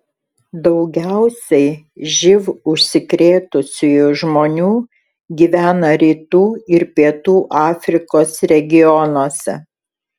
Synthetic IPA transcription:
d̪ɒʊɡʲæˑʊsʲɛɪʒʲɪʋʊʃʲsʲɪkɾʲeːt̪ʊsʲʊjʊʒmoːnʲuː | ɡʲiːʋʲæːnɐɾʲiːt̪uːɪɾpʲiɛt̪uːʔɑːfʲɾʲɪkoːsɾʲɛɡʲɪjɔnoːsʲɛ̰

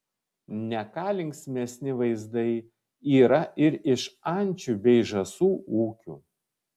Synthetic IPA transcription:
nʲɛkɑːlʲɪŋksʲmʲɛsʲnʲɪʋɐɪzd̪ɐɪ | iːɾɐʔɪɾɪʃɐnʲˑt͡ʃʲuːbʲɛɪʒɐsuːuːkʲṵː

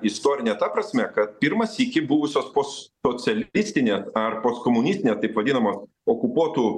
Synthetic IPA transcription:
ɪst̪oːɾʲɪnʲɛːt̪ɐpɾɐsʲmʲɛkɐt̪̚pʲiːɾmɐsikʲɪbuːʋʊsʲoːspoːsoːsʲɛlʲɪsʲt̪ʲɪnʲeːsɐrpoːskoːmʊnʲɪsʲt̪ʲɪnʲeːst̪ɐɪpʋɐd̪ʲiːnɐmoːs | oːkʊpuɔt̪uː

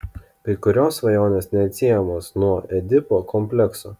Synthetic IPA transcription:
kʲɐɪkʊɾʲoːsʋɐjoːnʲeːsnʲɛɐt̪ʲsʲijɛmoːsnuɔɛd̪ʲɪpoːkɔmʲpʲlʲɛkso̰ː

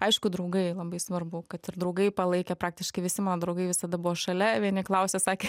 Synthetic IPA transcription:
ɐɪʃkʊd̪ɾɐʊɡɐɪlˠɐbɐɪsʋɐrbʊkɐt̪ɪɾd̪ɾɐʊɡɐɪpɐlˠɐɪkʲɛpɾɑːk̚t̪ʲɪʃkɐɪʋʲɪsʲɪmɑːnoːd̪ɾɐʊɡɐɪʋʲɪsɐd̪ɐbʊʋoʃɐlʲɛʋʲiɛnʲɪklˠɐʊsʲesɑːkʲeː

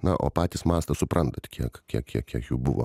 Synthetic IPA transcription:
nɐʔo̰ːpɑːt̪ʲɪsmɑːst̪ɐsʊpɾʔɐnt̪ɐt̪ʲkʲiɛkkʲiɛkkʲiɛkkʲiɛkjuːbʊʋo̰ː

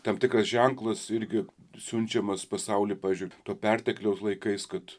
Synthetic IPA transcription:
t̪ɐmʲt̪ʲɪkrɐsʒʲɛŋklˠɐsɪɾʲɡʲɪ | sʲʊnʲt͡ʃʲɛmɐspɐsɐʊlʲiːpɑːʋʲɪzʲd͡ʒʲʊɪt̪oːpʲɛrʲt̪ʲɛklʲɛʊslˠɐɪkɐɪskɐt̪

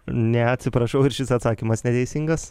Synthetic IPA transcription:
nʲɛɐtʲsʲɪpɾɐʃɐʊɪɾʃʲɪsɐt̪sɑːkʲimɐsnʲɛt̪ʲɛɪsʲiŋɡɐs

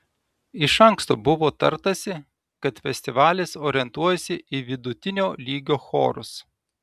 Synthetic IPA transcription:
ɪʃɐŋkst̪oːbʊʋoːt̪ɐɾt̪ɐsʲɪ | kɐt̪fʲɛsʲt̪ʲɪʋɑːlʲeːsoːɾʲɛnt̪uɔjɛsʲɪʔɪʋʲɪd̪ʊt̪ʲɪnʲoːlʲiːɡʲoːxo̰ːɾʊs

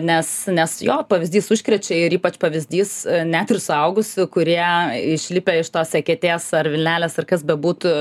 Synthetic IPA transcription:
nʲɛsnʲɛsjoːpɐʋʲɪzʲd̪ʲiːsʊʃʲkɾʲɛt͡ʃʲɛɪɾiːpɐt͡ʃpɐʋʲɪzʲd̪ʲiːsnʲæːt̪ɪrsʊɐʊɡʊsʲɪkʊɾʲiɛɪʃʲlʲɪpʲɛɪʃt̪oːssʲɛkʲɛt̪ʲeːsɐrʋʲɪlʲnʲæːlʲeːsɐrkɐsbʲɛbuːt̪ʊ

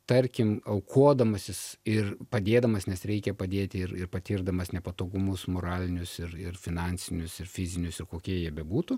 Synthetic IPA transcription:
t̪ɐɾʲkʲɪmɐʊkʰuɔd̪ɐmɐsʲɪsɪrpɐd̪ʲeːd̪ɐmɐsnʲɛsɾʲɛɪkʲɛpɐd̪ʲeːt̪ʲɪɪɾɪɾpɐt̪ʲiːrɡd̪ɐmɐsnʲɛpɐt̪oːɡʊmʊsmoːɾɑːlʲɪnʲʊsɪɾɪrfʲɪnɑnʲsʲɪnʲʊsɪrfʲɪzʲɪnʲʊsɪrkoːkʲiɛjiɛbʲɛbuːt̪ʊ

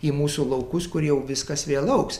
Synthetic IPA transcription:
iːmuːsuːlˠɐʊkʊskʊɾjɛʊʋʲɪskɐsʋʲeɛlˠɐʊks

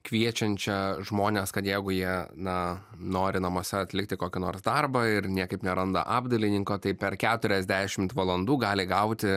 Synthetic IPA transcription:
kʋʲiɛt͡ʃʲɛnʲt͡ʃʲɛʒmoːnʲeskɐt̪jɛɪɡʊjiɛnɐ | noːɾʲɪnɐmuɔsʲɛɐt̪ʲlʲɪkt̪ʲɪkoːkʲɪnoːɾsd̪ɑrbɐɪɾnʲiɛkɐɪpnʲɛɾɐnd̪ɐ̰ʔɑːbd̪ɐlʲɪnʲɪŋkoːt̪ɐɪpʲɛɾkʲæːt̪ʊɾʲɛzʲd̪ʲæːʃʲɪmt̪ʋɐlˠɐnd̪uːɡɑːlʲɪɡɐʊt̪ʲɪ

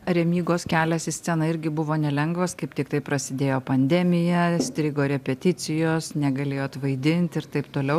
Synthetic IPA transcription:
ɾʲɛmʲiːɡoːskʲæːlʲɛsɪsʲsʲɛnɐɪɾʲɡʲɪbʊʋoːnʲɛlʲɛŋɡʋɐskɐɪpt̪ʲɪkt̪ɐɪpɾɐsʲɪd̪ʲeːjoːpɐnʲd̪ʲɛmʲɪjɛsʲt̪ʲɾʲɪɡoːɾʲɛpʲɛt̪ʲɪt̪sʲɪjoːsnʲɛɡɐlʲeːjoːt̪ʋɐɪd̪ʲɪnʲt̪ʲɪɾt̪ɐɪpt̪oːlʲɛʊ

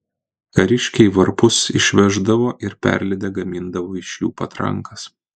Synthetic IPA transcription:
kɐɾʲɪʃʲkʲɛɪʋɐɾpʊsɪ̰ʃʲʋʲɛʒd̪ɐʋoːʔɪɾpʲæ̰ɾʲlʲɪd̪ʲɛɡɐmʲɪnd̪ɐʋoːɪʃjuːpɐt̪ɾɐ̰ŋkɐs

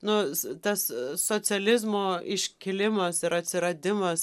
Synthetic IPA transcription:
nʊt̪ɐssoːt͡sʲɛlʲɪzmoːɪʃʲkʲɪlʲɪmɐsɪɾɐt̪ʲsʲɪɾɐd̪ʲɪmɐs

